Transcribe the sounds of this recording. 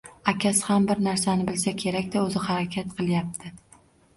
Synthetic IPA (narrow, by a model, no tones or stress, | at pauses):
akʲashambɪɾnaɾsanɪbɪlsakʲʰe̞ɾakʲd̪aɵzɪhaɾakʲʰat̪qʰɨlˠjap̚t̪ʰɪ